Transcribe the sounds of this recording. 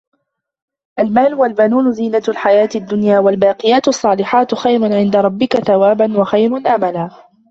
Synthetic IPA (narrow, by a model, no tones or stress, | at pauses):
ʔalmaːlwalbanuːnʊziːnalħajaːt̪ad̪ːʊnjaːwalbaːqɪjaːt̪ɑsˤːɑːlɪħaːt̪xajɾʊʕɪnd̪aɾˤɑbːɪkaθawaːbanwaxajɾanʔamalaː